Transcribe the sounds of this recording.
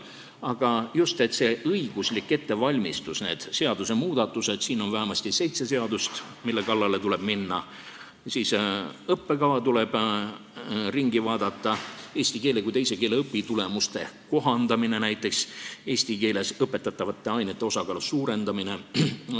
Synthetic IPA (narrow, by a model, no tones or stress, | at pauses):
ɑɡ̥ɑjust̪e̞t̪se̞ʔɤjɡ̥uslikːe̞t̪ːe̞vɑlʲmist̪usne̞ːd̪̥se̞ɑd̪use̞muːd̪̥ɑt̪ːˑuse̞d̪̥siːno̞nvæɦæmɑsʲt̪ise̞jt̪se̞se̞ɑd̪ust̪ | milːe̞kɑlːɑle̞t̪ule̞b̥minːɑ | sisɤpːe̞kɑvɑt̪ule̞b̥ | riŋɡ̥ivɑːd̪̥ɑt̪ːˑɑe̞ːsʲt̪ike̞ːlekuijt̪ejse̞ke̞ːleɤpːit̪ule̞must̪e̞ko̞ɦɑnd̪ɑmine̞næjt̪ːˑe̞kse̞ːsʲt̪ike̞ːle̞sɤpːˑe̞t̪ːˑɑt̪ːˑɑvɑt̪ːˑe̞ɑjnet̪ːe̞o̞sɑkɑːlusuːɾe̞nd̪̥ɑmine̞